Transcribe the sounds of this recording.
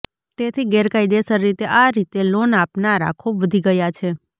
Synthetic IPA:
t̪et̪ʰiɡɛɾkajd̪esəɾːit̪eʔaɾit̪elonapnaɾa̰kʰoʋəd̪ʱiɡəjat͡ʃʰe

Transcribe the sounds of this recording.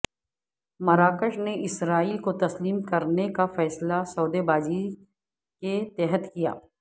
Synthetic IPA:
mɐɾaːkəʃneʔɪsɾaːiːlkot̪ɐsliːmkɐɾnekafɛːslasɔːd̪ebaːd͡ʒi | ket̪ɛːɦət̪kija̰ː

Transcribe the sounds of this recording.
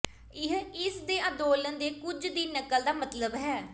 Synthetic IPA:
ɪɦɪsd̪eːə̃d̪oːlənd̪eːkʊd͡ʒd̪iːnːəkːəld̪aːmət̪ləbɦɛː

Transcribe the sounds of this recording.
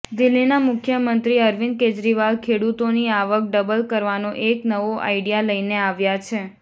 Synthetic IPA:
d̪ɪlːinamʊkʰjəmənt̪ɾiəɾʋin̚ked͡ʒɾiʋalkʰeɽut̪oniaʋək̚ɖəbəlkəɾʋanoʔeknəʋoʔa̰iɽijaləjneaʋjat͡ʃʰe

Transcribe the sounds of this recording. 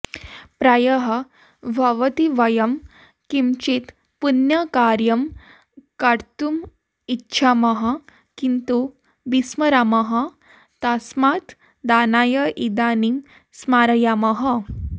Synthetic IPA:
pɾajəɦə | ʋʱaʋət̪iʋəjəm | kimt͡ɕit̪ | punjəkaɾjəm | kaɾt̪um | itːɕʰaməɦa | kint̪u | bisməɾaməɦa | t̪asmat̪ | d̪anajəʔid̪anim | smaɾjaməɦə

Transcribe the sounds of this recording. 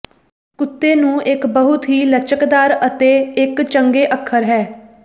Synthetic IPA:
kʊt̪ːeːnũːʔɪkbəɦʊt̪ɦiːlət͡ʃəkd̪aːɾət̪eːɪkt͡ʃəŋɡeːʔəkʰːəɾɦɛː

